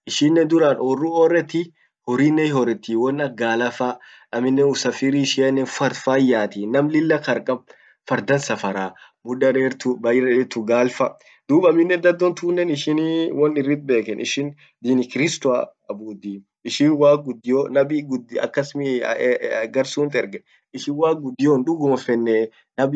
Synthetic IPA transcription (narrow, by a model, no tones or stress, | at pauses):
ʔɪʃɪnːɛd̪ʊɾanɔrːuɔrːɛt̪ːi | hɔɾiːnːɛhɔɾɛt̪ːiwɔnːɐɡaːlɐfa | ɐmɪnːɛʊsɐfɪɾiʃɪɐnːɛnfɐɾfajaːt̪inɐmlɪlːɐkɐɾkʼɐb̚ | fɐɾd̪ɐnsɐfɐɾaː | mʊᶑɐɾeːɾt̪ʊbɐjɪɾeɾt̪ʊɡaːlfɐ | d̪̥uːbɐmːɪnːɛd̪ɐd̪ːɔnt̪uːnːɛnɪʃɪnwɔnɪrːɪt̪̚be̞ːkɛnɪ̰ʃɪn | d̪inɪkɪɾɪst̪ʊa̰ | ɐbuːd̪iː | ɪʃɪwaːk̚ɡʊd̪ːɪjonɐbiɡʊd̪ɐ̰kːɐsmi | ɡɐɾsuːnt̪ʼɛɾɡɛ | ɪʃɪnwaːk̚ɡʊd̪ːɪjoːnᶑʊɡʊmɔfɛnːɛ | nɐbi